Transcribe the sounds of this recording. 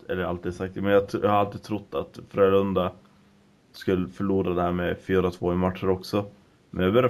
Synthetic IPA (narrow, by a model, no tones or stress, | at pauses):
ɛ̰lːəɾalt̪iːd̪sak̚t̪mɛnjɑːj̰haɾalt̪iːt̪ʰɾʊt̪ːa̰t̪fɾeːlɵnd̪a | skɵlːəfœɭuːɾad̪ɛhæːɾmɛfyːɾat̪ʰv̥oːɪmat̪ʂəɾɔksɔ | mʔɛnjɑbœɾja